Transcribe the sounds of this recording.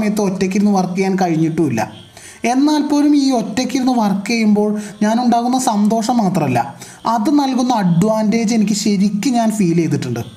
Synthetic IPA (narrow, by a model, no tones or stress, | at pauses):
mɐjɐt̪ːɨo̞tːekʲːiɾunːuʋɐrkːɐjaːnkɐɻiɲːiʈːuilːɐ̰ | e̞nːaːlpo̞ːlumiːo̞tːekʲːiɾunːɨʋɐrkːejumbo̞ːɭɲaːnuɳɖaːɣunːɐsɐnd̪o̞ːʂɐmːaːt̪rɐmɐlːɐ̰ | ɐðɨnɐlkunːɐɐɖːuʋaːnde̞ːd͡ʑe̞nikʲːɨɕɐɾikʲːɨɲaːnfiːlejt̪̬ːiʈːuɳɖɨ̰